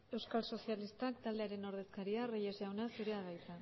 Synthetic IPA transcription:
e̞wskalso̞sialist̪akt̪ald̪e̞aɾe̞no̞ɾð̞e̞skaɾiarejezʝawnasuɾeaðajt͡sa

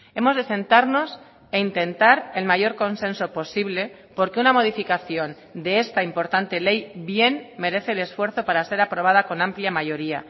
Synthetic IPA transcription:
e̞mo̞zðe̞se̞nt̪aɾno̞s | eint̪e̞nt̪aɾe̞lmaʝo̞ɾko̞nsẽ̞nso̞po̞siβle̞ | po̞ɾke̞unamo̞ðifikaθjo̞n | d̪e̞est̪aimpo̞ɾt̪ant̪e̞le̞jbje̞nme̞ɾe̞θe̞ːle̞sfwe̞ɾθo̞paɾase̞ɾapɾo̞β̞að̞ako̞nãmpljamaʝo̞ɾia̰

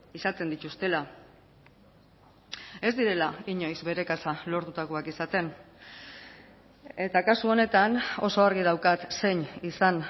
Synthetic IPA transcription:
isat̪e̞nd̪it̪ust̪e̞la | e̞zd̪iɾe̞laiɲo̞jzβe̞ɾe̞kasalo̞ɾðut̪aɣoakisat̪e̞n | e̞t̪akasuo̞ne̞t̪ano̞so̞aɾɣ̞iðawkat̪se̞ɲisan

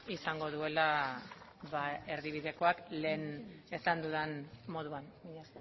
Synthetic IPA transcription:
isaŋɡo̞ðue̞la | βae̞ɾðiβ̞iðe̞ko̞akle̞ːnesand̪uðenmo̞ðuanmiɲas

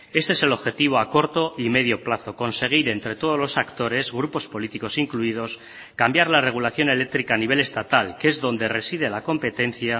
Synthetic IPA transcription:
e̞st̪eese̞lo̞βxe̞t̪iβ̞o̞ako̞ɾt̪o̞ʔime̞ðjo̞plaθo̞ko̞nse̞ɣ̞iɾe̞nt̪ɾe̞t̪o̞ð̞o̞zlo̞sakt̪o̞ɾe̞zɣɾupo̞spo̞lit̪iko̞siŋkluið̞o̞s | kambjaɾlare̞ɣ̞ulaθjo̞ne̞le̞k̚t̪ɾikaːniβe̞le̞st̪at̪alkee̞zðo̞nd̪e̞re̞sið̞e̞lako̞mpe̞t̪e̞n̟θja

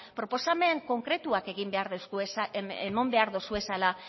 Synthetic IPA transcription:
pɾo̞po̞same̞ŋko̞ŋkɾe̞t̪uake̞ɣimbe̞aɾðowsuesaemombe̞aɾðosue̞sala

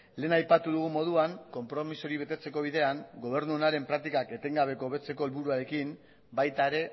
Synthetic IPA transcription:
le̞ːnajpat̪uðuɣumo̞ð̞uaŋko̞mpɾo̞miso̞ɾiβe̞t̪e̞t͡se̞ko̞β̞iðe̞aŋɡo̞β̞e̞ɾnuonaɾe̞mpɾak̚t̪ikake̞t̪e̞ŋɡaβ̞e̞ko̞ːβe̞t͡se̞ko̞elβuɾuaɾe̞kim | bajt̪ae̞ɾe̞

